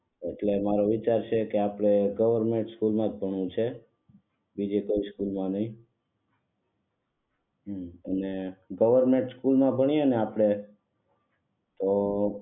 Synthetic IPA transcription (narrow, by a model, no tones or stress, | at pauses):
eʈlemaɾoʋit͡ʃaɾt͡ʃʰekeapɽ̃eɡəʋəɾmẽɳʈskulmãd͡ʒbʱəɳũt͡ʃʰe | bid͡ʒekoiskulmãnəĩ | əneɡəʋəɾmẽɳʈskulmãbʱəɳ̃ieəneapɽ̃e | t̪o